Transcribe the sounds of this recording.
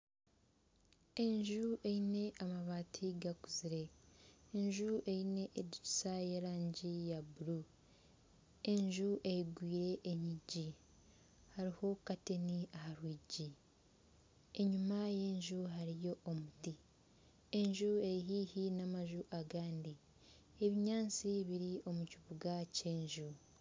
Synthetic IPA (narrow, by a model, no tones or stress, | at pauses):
e̞ɲʒuʔe̞ine̞ʔamaβaːtʰiɡakuziɾe̞ː | ɲʒuʔe̞ine̞ʔːdiu̥saje̞ɾaːɲɟijabuɾu | e̞ɲʒuʔejiɡwiːɾe̞ʔːɲiɟi | haɾiho̞kate̞niahaɾwiːɟi | e̞ɲumaje̞ːɲʒuɦaɾijo̞ʔːmuti | eɲʒuejiɦiːhinamaʒuʔaɡaːndi | e̞βiɲaːnt͡siβiɾio̞muciβuɡace̞ːɲʒu